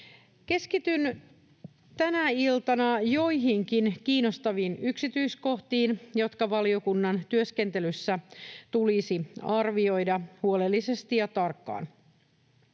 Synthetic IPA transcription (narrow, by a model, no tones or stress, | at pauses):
ke̞skit̪yn | t̪ænæilt̪ɑnɑjo̞iɦiŋkinkiːno̞st̪ɑʋiːnyksit̪yisko̞ht̪iːnjo̞t̪kɑʋɑlio̞kunːɑnt̪yøskent̪elysːæt̪ulisiɑrʋio̞jdɑhuolelːise̞st̪ijɑt̪ɑrkːɑ̰ːn